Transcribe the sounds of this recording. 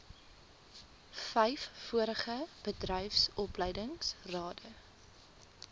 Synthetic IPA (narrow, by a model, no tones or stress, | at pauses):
fɛjfːuəɾəχəb̥ədrɛjfsɔpləjdəŋsrɑːdə